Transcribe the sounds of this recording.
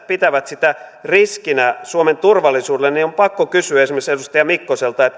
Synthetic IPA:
pit̪æʋæt̪sit̪æriskinæsuoment̪urʋɑlːisuːdelːeniompɑkːokysyæesimːesedust̪ɑjɑmikːoselt̪ɑet̪

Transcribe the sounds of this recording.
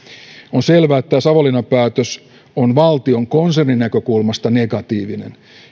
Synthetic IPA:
onselʋæːet̪ːæsɑʋolinɑpæːt̪øs | onʋɑlt̪io̞ŋko̞nserninːækø̞kulmɑst̪ɑne̞ɡɑt̪iːʋinḛn

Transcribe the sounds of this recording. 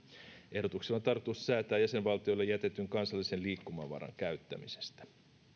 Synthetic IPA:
ʔe̞hdo̞t̪ukselːont̪ɑrt̪ːussæːt̪æːjæse̞nʋɑlt̪io̞jlːejːæt̪e̞t̪ːˑyŋkɑnsɑlːise̞nliːkːumɑ̰ʋɑ̰rɑ̰ŋkæɥt̪ːæ̰mise̞̥st̪æ̥

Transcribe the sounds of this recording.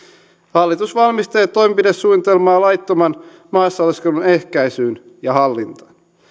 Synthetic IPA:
hɑlːit̪usʋɑlmist̪e̞ːt̪ːo̞jmepidesːuːnit̪elmɑːlɑjt̪ːomɑn | mɑːsːɑlːeskelune̞hkæjsyːn | jɑɦɑlːint̪ɑ̥

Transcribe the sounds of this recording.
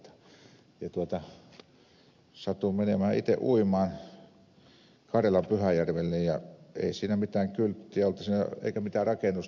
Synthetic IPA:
t̪ɑ̥ | jɑt̪uot̪ɑ | sɑt̪umenemææʔit̪ḛʔʔuimɑːn | kɑrjɑlɑmpyhæjærʋelːejjɑḛˑisiːnæmit̪æːŋkylt̪ːiæolt̪ːɑsiːnæ̰ḛikæmit̪æːrɑkenus

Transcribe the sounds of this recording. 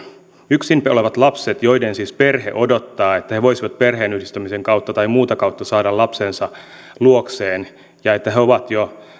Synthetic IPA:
yksimpoleʋɑt̪lɑpset̪jo̞idensisperɦḛʔodot̪ːɑːe̞t̪ːæheʋo̞jsiʋɑt̪̚perɦeːnyhdist̪æmiseŋkɑwt̪ːɑt̪ɑimuːt̪ɑkɑut̪ːɑsɑːdɑlɑpsensɑ | luokseːn | jɑe̞t̪ːæɦeoʋɑt̪jo

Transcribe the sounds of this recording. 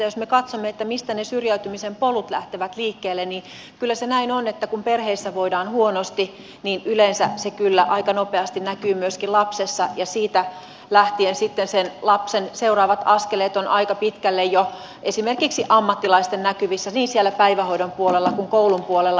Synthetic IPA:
josmekɑt̪somːeet̪ːæmist̪ænesyrjæyt̪ymisempolut̪læht̪eʋæt̪liːkːeːlːennin | kylːæsenæinonet̪ːækumperheisːæʋoidɑːnhuonost̪i | niːnʔylensæsekylːæʔɑikɑnopeɑst̪innækyːmyøskilɑpsesːɑjɑsiːt̪æ | læht̪iensit̪ːensenlɑpsenseurɑːʋɑt̪ɑskeleːt̪onʔɑikɑpit̪kælːejjo | ʔesimerkiksiʔɑmːɑt̪ːilɑist̪ennækyʋisːæniːnsielːæpæiʋæhoidompuolelːɑkuŋkoulumpuolelːɑ

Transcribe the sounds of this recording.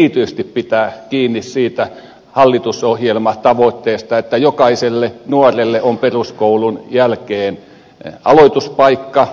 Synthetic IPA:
it̪yst̪ippit̪æːkiːnːissiːt̪æ | hɑlːit̪usohjelmɑt̪ɑʋot̪ːeːst̪ɑet̪ːæjokɑiselːenuorelːeʔomperuskoulunjælkeːn | ɑloit̪uspɑikːɑ

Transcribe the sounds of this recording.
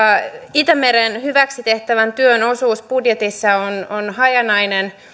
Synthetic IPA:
it̪æmeɾenhyʋæksit̪eht̪æʋænt̪yønosuːspudjet̪isːɑononhɑjɑnɑjnen

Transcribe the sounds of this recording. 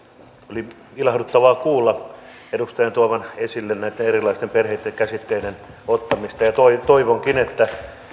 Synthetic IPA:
oli | ilɑhdut̪ːɑʋɑːkuːlːɑ | edust̪ɑjɑnt̪uɑʋɑnesilːennæˑit̪ːenerilˑɑˑist̪emperhet̪ːeŋkæsit̪ːeiden | ot̪ːɑmist̪ɑjɑt̪oit̪oiʋoŋkinet̪ːæ

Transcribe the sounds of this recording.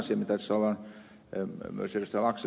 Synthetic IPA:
siɑmit̪æsɑlːɑn | mo̰selst̪ælɑkse

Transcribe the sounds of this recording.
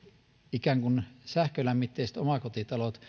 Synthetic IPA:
ikæŋkunsæhkølæmːit̪ːeˑist̪omɑkot̪it̪ɑlot̪

